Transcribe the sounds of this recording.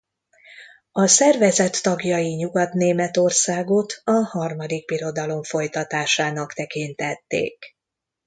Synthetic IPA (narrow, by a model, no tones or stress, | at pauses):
ɒsɛrvɛzɛt̪ːɒɡjɒjiɲuɡɒt̪neːmɛt̪o̞rsaːɡot̪ʰɒhɒrmɒd̪ik̚biɾo̞d̪ɒlo̞ɱfo̞jt̪ɒt̪aːʃaːnɒkt̪ɛkint̪ɛt̪ːḛːk